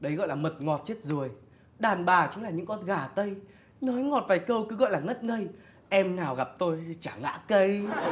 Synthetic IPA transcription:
ɗə˨˦jɣɔ̰˧˨jlaː˨˩mə˨˩t̚ŋɔ˨˩t̚t͡ɕe˦˥t̚zo˨˩əj | ɗaː˨˩nɓaː˨˩t͡ɕɨ˨˦ŋlaː˨˩ɲɨ̰˧˥ŋkɔ˨˧˩n̚ɣaː˧˨˩t̪ə˧j | nɔ˨˦jŋɔ˨˩t̚vaː˨˩jkə˧wkɨ˨˦ɣɔ̰˧˨jlaː˨˩ŋə˦˥t̚ŋə˧j | ʔɛ˧mnaː˨˩wɣa˨˩p̚t̪o˧jt͡ɕaː˧˩ŋa̰ː˧˥kə˧j

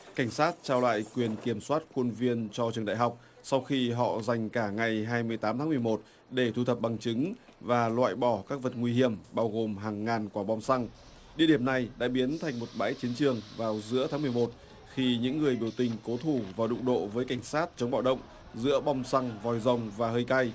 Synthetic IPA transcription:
ka˧˩jŋ̟saː˦˥t̚t͡ɕaː˧wla̰ː˧˨jkwi˨˩ənki˧˩əmswaː˦˥t̚xu˧nvi˧ənt͡ɕɔ˧t͡ɕɨ˨˩əŋɗa̰ː˧˨jɦa˨˩wk͡p̚ | sa˧wxi˧ɦɔ̰˧˨za˨˩jŋ̟kaː˧˩ŋa˨˩jɦaː˧jmɨ˧˩əjt̪aː˨˦mt̪aː˨˦mɨ˨˩əjmo˨˩t̚ | ɗe˧˩t̪ʰu˧t̪ʰə˨˩p̚ɓa˨˩ŋt͡ɕɨ˨˦ŋ | vaː˨˩lwa̰ː˧˨jɓɔ˧˩kaː˦˥k̚və˨˩t̚ŋwi˧hi˧˩əmɓaː˧wɣo˨˩mɦaː˨˩ŋːaː˨˩nkwaː˧˩ɓɔ˧wŋ͡msa˧ŋ | ɗi˧əɗi˧˩əmna˨˩jɗa̰ː˧˥ɓi˨˦ənt̪ʰa˨˩jŋ̟mo˨˩t̚ɓa̰ː˧˥jt͡ɕi˨˦ənt͡ɕɨ˨˩əŋvaː˨˩wzɨ̰˧˥ət̪ʰaː˨˦mɨ˨˩əjmo˨˩t̚ | xi˧ɲɨ̰˧˥ŋːɨ˨˩əjɓi˧˩əwt̪ï˨˩ŋ̟ko˨˦t̪ʰu˧˩vaː˨˩ɗʊ̰˧˨ŋ͡mɗo̰˧˨vəː˨˦jka˧˩jŋ̟saː˦˥t̚t͡ɕə˨˦ŋ͡mɓa̰ː˧˩wɗə̰˧˨wŋ͡m | zɨ̰˧˥əɓɔ˧wŋ͡msa˧ŋvɔ˨˩jzə˨˩wŋ͡mvaː˨˩ɦəː˧jka˧j

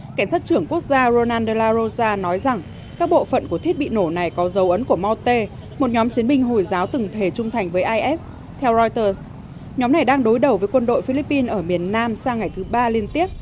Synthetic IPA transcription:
ka˧˩ŋ̟saː˦˥t̚t͡ɕɨ˧˩əŋku˦˥ək̚zaː˧zo˧naː˧nɗe˧laː˧zo˧zaː˧nɔ˨˦jza˨˩ŋ | kaː˦˥k̚ɓo̰˧˨fə̰˧˨nku˧˩ət̪ʰi˦˥t̚ɓḭ˧˨no˧˩na˨˩jkɔ˨˦zə˨˦wʔə˨˦nku˧˩əmɔ˧wt̪e˧ | mo˨˩t̚ɲɔ˨˦mt͡ɕi˨˦ənmï˧ŋ̟ɦo˨˩jzaː˨˦wt̪ɨ˨˩ŋt̪ʰe˧˩t͡ɕʊ˧ŋ͡mt̪ʰa˨˩jŋ̟vəː˨˦jʔaː˧jʔɛ˦˥s | t̪ʰɛ˧wzɔ˧jt̪əː˧˩s | ɲɔ˨˦mna˨˩jɗaː˧ŋɗo˨˦jɗə˨˩wvəː˨˦jkwə˧nɗo̰˧˨jfi˧li˦˥pːi˧nʔəː˧˩mi˨˩ənːaː˧msaː˧ŋa˨˩jt̪ʰɨ˨˦ɓaː˧li˧ənt̪i˦˥əp̚

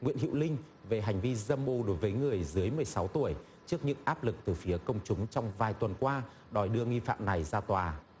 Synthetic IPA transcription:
ŋḭ˧˨ənɦḭ˧˨wlï˧ŋ̟ | ve˨˩ɦa˨˩jŋ̟vi˧zə˧mʔo˧ɗo˨˦jvəː˨˦jŋɨ˨˩əjzɨ˨˦əjmɨ˨˩əjsa˨˦wt̪u˧˩əj | t͡ɕɨ˦˥ək̚ɲɨ̰˧˥ŋʔaː˦˥p̚lɨ˨˩k̚t̪ɨː˨˩fi˨˦əkə˧wŋ͡mt͡ɕʊ˨˦ŋ͡mt͡ɕɔ˧wŋ͡mvaː˨˩jt̪wə˨˩nkwaː˧ | ɗɔ˨˩jɗɨ˧əŋi˧fa̰ː˧˨mna˨˩jzaː˧t̪waː˨˩

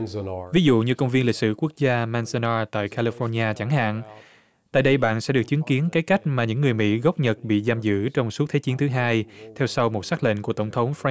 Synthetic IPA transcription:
vi˨˦zṵ˧˨ɲɨ˧kə˧wŋ͡mvi˧ənli˨˩t̚sɨ̰˧˨ku˦˥ək̚zaː˧maː˧nsə˧naː˧t̪a̰ː˧˨jkʰaː˧li˧fɔ˧nɲaː˧t͡ɕa˧˩ŋha̰ː˧˨n | t̪a̰ː˧˨jɗə˧jɓa̰ː˧˨nsɛ̰˧˥ɗɨ˨˩ək̚t͡ɕi˨˦ənki˨˦ənkaː˨˦jka˦˥jk̟̚maː˨˩ɲɨ̰˧˥ŋːɨ˨˩əjmḭ˧˥ɣə˦˥wp̚ɲə˨˩t̚ɓḭ˧˨zaː˧mzɨ̰˧˥t͡ɕɔ˧wŋ͡msu˦˥t̪̚ʰt͡ɕi˨˦ənt̪ʰɨ˨˦ɦaː˧jt̪ʰɛ˧wsa˧wmo˨˩t̚saː˦˥k̚lḛ˧˨ŋku˧˩ət̪ə˧˩ŋ͡mt̪ʰə˨˦wŋ͡mfa˧

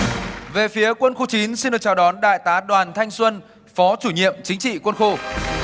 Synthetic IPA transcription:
ve˨˩fi˨˦əkwə˧nxo˧t͡ɕi˨˦nsi˧nɗɨ˨˩k̚t͡ɕaː˨˩wɗɔ˨˦nɗa̰ː˧˨jt̪aː˨˦ɗwaː˨˩nt̪ʰa˧jŋ̟swə˧n | fɔ˨˦t͡ɕu˧˩ɲḭ˧˨əmt͡ɕï˨˦ŋ̟t͡ɕḭ˧˨kwə˧nxo˧

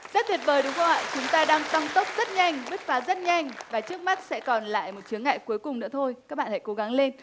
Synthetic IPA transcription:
zə˦˥t̪ʰi˨˩t̚ɓəː˨˩jɗɨ˨˩əwkə˧whɔ̰˧˨jt͡ɕʊ˨˦ŋ͡mt̪aː˧ɗaː˧ŋt̪a˧ŋt̪ə˦˥wk͡p̚z̥ə˦˥t̚ɲa˧jŋ̟ɓɨ˦˥t̚faː˨˦zə˦˥t̚ɲa˧jŋ̟vaː˨˩t͡ɕɨ˦˥ək̚ma˦˥t̚sɛ̰˧˥kɔ˨˩nla̰ː˧˨jmo˨˩t̚t͡ɕɨ˨˦əŋːa̰ː˧˨jku˨˦əjkʊ˨˩ŋ͡mnɨ̰˧˥ət̪ʰo˧jkaː˦˥k̚ɓa̰ː˧˨ha̰˧˩ko˨˦ɣa˨˦ŋle˧n

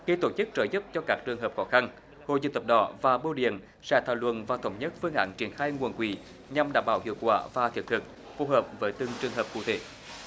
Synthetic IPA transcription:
xi˧t̪o˧˩t͡ɕɨ˦˥k̚t͡ɕəː˧˨˦jzə˦˥p̚t͡ɕɔ˧kaː˦˥k̚t͡ɕɨ˨˩əŋɦəː˨˩p̚xɔ˨˦xa˧n | ho̰˧˨zɨ̰˧˨t̪ə˨˩p̚ɗɔ̰˨˦vaː˨˩ɓo˧wɗḭ˧˨ən | sɛ̰˧˥t̪ʰaː˧˩wlwə̰˧˨nvaː˨˩t̪ə˧˦wŋ͡mɲə˦˥t̚fɨ˧əŋʔa̰ː˧˥nt͡ɕi˧˩ənxaː˧jŋu˨˩ənkwi˨˩˦ | ɲa˧mɗaː˧˩mɓaː˧˩whḭ˧˨əwkwa̰ː˧˩vaː˨˩t̪ʰk̚t̪ʰɨ˨˩k̚ | fo˧ɦəː˨˩p̚vəː˨˦jt̪ɨ˨˧˩ŋt͡ɕɨ˨˩əŋɦəː˨˩p̚kṵ˧˨t̪e˨˦

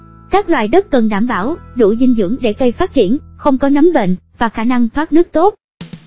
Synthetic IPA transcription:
kaː˦˥k̚lwaː˨˩jɗə˦˥t̚kə˨˩nɗaː˧˩mɓaː˧˩wɗṵ˧˩zï˧ŋ̟zɨ̰˧˥əŋɗe˧˩kə˧jfaː˦˥t̚t͡ɕi˧˩ənxə˧wŋ͡mkɔ˨˦nə˨˦mɓḛ˧˨nvaː˨˩xaː˧˩na˧ŋt̪ʰwaː˦˥t̚nɨ˦˥ək̚t̪o˦˥t̚

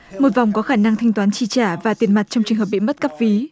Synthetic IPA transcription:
mo˨˩t̚va˨˩wŋ͡mkɔ˨˦xaː˧˩na˧ŋt̪ʰa˧ŋt̪waː˨˦nt͡ɕi˧˩t͡ɕaː˧˩vaː˨˩t̪i˨˩ənma˨˩t̚t͡ɕɔ˧ŋ͡mt͡ɕɨ˨˩ŋɦəː˨˩p̚ɓḭ˧˨mə˦˥t̚ka˦˥p̚fi˨˦

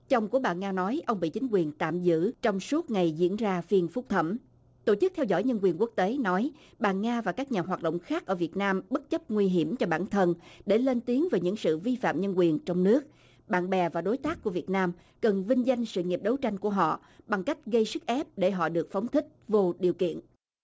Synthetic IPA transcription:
t͡ɕə˨˩wŋ͡mku˧˩əɓaː˨˩ŋaː˧nɔ˨˦jʔə˧wŋ͡mɓḭ˧˨t͡ɕï˨˦ŋ̟kwi˨˩ənt̪a̰ː˧˨mzɨ̰˧˥t͡ɕɔ˧wŋ͡msu˦˥ət̚ŋa˨˩jzḭ˧˥ənzaː˧fi˧ənfʊ˦˥k͡p̚t̪ʰə˧˩m | t̪o˧˩t͡ɕɨ˦˥k̚t̪ʰɛ˧wzɔ̰˧˥˨jɲə˧nkwi˨˩ənku˦˥ək̚t̪e˨˦nɔ˨˦j | ɓaː˨˩ŋaː˧vaː˨˩kaː˦˥k̚ɲaː˨˩ɦwaː˨˩t̚ɗo̰˧˨wŋ͡mxaː˦˥k̚ʔəː˧˩vi˨˩ət̚naː˧mɓə˦˥t̚t͡ɕə˦˥p̚ŋwi˧ɦi˧˩əmt͡ɕɔ˧ɓaː˧˩nt̪ʰə˧nɗe˧˩le˧nt̪i˨˦əŋveː˨˩ɲɨ̰˧˥ŋsɨ̰˧˨vi˧fa̰ː˧˨mɲə˧nkwi˨˩ənt͡ɕɔ˧wŋ͡mnɨ˦˥ək̚ | ɓa̰ː˧˨nɓɛ˨˩vaː˨˩ɗo˨˦jt̪aː˦˥k̚kːu˧˩əvi˨˩ət̚naː˧m | kə˨˩nvï˧ŋ̟za˧jŋ̟sɨ̰˧˨ŋi˨˩əp̚ɗə˨˦wt͡ɕa˧jŋ̟ku˧˩əɦɔ̰˧˨ | ɓa˨˩ŋka˦˥jk̟̚ɣə˧jsɨ˦˥k̚ʔɛ˦˥p̚ɗe˧˩ɦɔ̰˧˨ɗɨ˨˩ək̚fə˨˦wŋ͡mt̪ʰï˦˥k̟̚vo˧ɗi˨˩əwkḭ˧˨ən

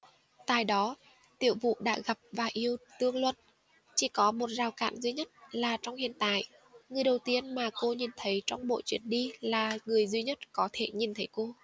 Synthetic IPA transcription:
t̪a̰ː˧˨jɗɔ˨˦ | t̪ḭ˧˨əwvṵ˧˨ɗa̰ː˧˥ɣa˨˩p̚vaː˨˩ʔi˧əwt̪ɨ˧əŋlwə̰˧˨n | t͡ɕi˧˩kɔ˨˦mo˨˩t̚zaː˨˩wka̰ː˧˨ŋzwi˨˧˦ɲə˦˥t̚laː˨˩t͡ɕɔ˧wŋ͡mhḭ˧˨ənt̪a̰ː˧˨jʔ | ŋɨ˨˩əjɗə˨˩wt̪i˧ənmaː˨˩ko˧ɲi˨˩nt̪ʰə˨˦jt͡ɕɔ˧wŋ͡mɓo̰˧˨t͡ɕwi˧˩ənɗi˧laː˨˩ŋɨ˨˩əjzwi˨˧˦ɲə˦˥t̚kɔ˨˦t̪ʰe˧˩ɲi˨˩nt̪ʰə˨˦jko˧

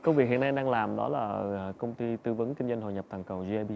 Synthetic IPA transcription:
kə˧wvi˨˩kɦḭ˨əna˧jɗaː˧ŋlaː˨˩mɗɔ̰˨˦laː˨˩˨kə˧wŋ͡mt̪i˧t̪ɨ˧və˨˦nki˧ŋzə˧ŋ̟ɦo̰˧˨˩ɲə˨˩p̚t̪ʰaː˨˩ŋkə˨˩wzi˧ʔɛ˧ɓi˧

